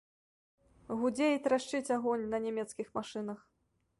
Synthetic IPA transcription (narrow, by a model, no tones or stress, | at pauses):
ɣud͡zʲejit̪ɾaʂt͡ʂɨt͡sʲaɣɔnʲnɐnʲɛmʲɛt̪skʲixmaʂɨnɐx